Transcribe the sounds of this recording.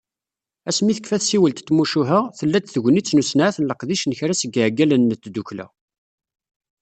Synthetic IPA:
æsmiθəkfæθsiwəlt̪t̪ːmuʃuɦəʁθəlːæt͡s̪θəʝʷnit͡sːnusnʕaθənləqðiʃnəçɾæsəɡəʕɡːælənːət͡s̪ːd̪uklæ̰

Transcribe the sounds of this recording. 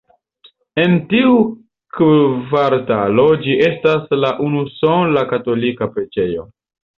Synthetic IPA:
e̞ntiu | kvaɾtalo̞d͡ʒie̞staslaʔunusonlakato̞likapɾe̞d͡ʒe̞jo̞̰

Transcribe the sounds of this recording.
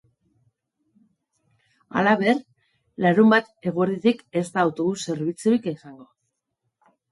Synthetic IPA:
a̰laβe̞ɾ | laɾumbat̪e̞ɣ̞oeɾðit̪ike̞st̪aːwt̪oðuse̞ɾβit͡suɾikesaŋɡo̞

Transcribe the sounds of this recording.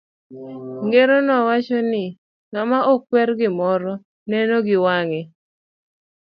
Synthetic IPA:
ŋɡeɾonɔwat͡ʃɔnɪ | ŋamaʔɔk̚ːwɛɾɡɪmɔɾɔ | nɛnoɡɪwaŋɛ

